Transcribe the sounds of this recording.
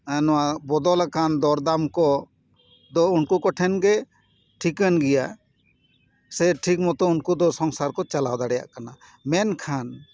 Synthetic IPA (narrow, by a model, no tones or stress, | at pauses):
anɔwabɔd̪ɔlakʰand̪ɔɾd̪amkɔ | d̪ɔunkukɔʈʰɛnɡɛ | ʈʰikənɡɛja | sɛʈʰik̚mɔt̪ɔunkud̪ɔsɔŋsaɾkɔt͡ʃalawd̪aɽɛja̰ʔkana | mɛnkʰan